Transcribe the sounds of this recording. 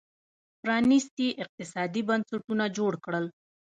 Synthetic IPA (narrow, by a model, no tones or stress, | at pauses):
pɾɑnɪst̪iʔɪq̚t̪ɪsɑd̪ibansaʈunad͡ʒoɽkɽəl